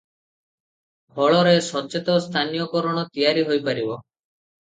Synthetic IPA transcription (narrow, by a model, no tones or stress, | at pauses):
bɔɭɔɾesɔt͡ʃet̪ɔst̪ʰanijɔkɔɾɔɽ̃ɔt̪ijaɾiɦojpaɾibɔ